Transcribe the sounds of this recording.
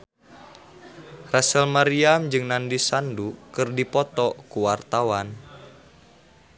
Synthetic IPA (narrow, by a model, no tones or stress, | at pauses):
rasəlmaɾiamd͡ʒɨŋnandisandukɨrdipɔt̪ɔkuwart̪awan